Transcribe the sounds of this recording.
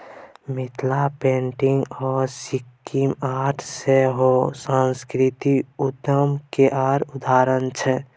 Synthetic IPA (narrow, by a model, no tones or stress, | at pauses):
mɪt̪ʰlapẽːɳʈɪ̃ŋɡɔːɾsɪkːimaːɾʈʰseɦosãnskɾɪt̪iʊd̪əmkeʔaːɾʊd̪aːɾənt͡ʃʰɛ